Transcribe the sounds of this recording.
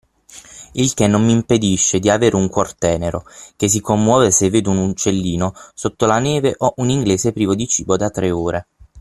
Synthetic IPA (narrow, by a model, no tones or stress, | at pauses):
ilk̟enːomːimped̪iʃːed̪iaveːɾʔeuŋkwɔrt̪ɛːneɾok̟es̬ikomːwɔːvesevːeːd̪uunut͡ʃːelːiːnosot̪ːolaneːveʔoʔuniŋɡleːzepɾiːvod̪it͡ʃiːbod̪at̪ːɾeoːɾe